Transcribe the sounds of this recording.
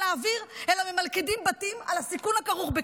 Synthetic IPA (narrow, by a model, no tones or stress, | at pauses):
aːviʁelamemalkidimbatima̰lhasikunhakaʁuχbe